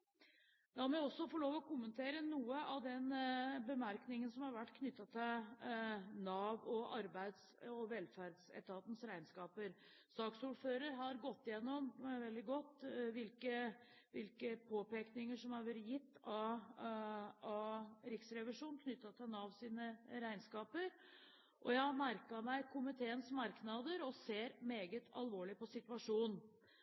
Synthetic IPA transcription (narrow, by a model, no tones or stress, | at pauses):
d̪ɑmɛɔsːɔfɔɭoːʋɔkʊmːənt̪ʰeːɾənuːəɑʋd̪ɛnbəmæɾknɪŋənsɔmhɑɾʋæʈːkʰnʏt̪ːɑt̪ʰɪl | nɑːʋɔʔɑ̰ɾbæɪd̪s | ɔʋɛlfæɾɖsɛ̰t̪ɑt̪n̩sɾæɪnskɑːpəɾ | sɑːksuːɾføːɾəɾɦɑɾɡɔt̪ːɪjɛnːɔmʋɛld̪ɪɡɔt̪ːʋɪlkə | ʋɪlkəpʰoːpeːknɪŋəʂɔmhɑʋɛɾjɪt̪ːɑ | ɑɾɪksɾɛʋɪʂuːnkʰnʏt̪ːɑt̪ɛnɑʋsiːnəɾæɪnskɑːpəɾ | ʔɔjæɪhɑɾmæɾkɑmæɪkʰʊmɪt̪ʰeːənsmɑɾknɑd̪əɾɔseːɾmeːɡət̪ʰɑ̰lʋoːɭɪpɔsɪt̪ʉɑʂuːn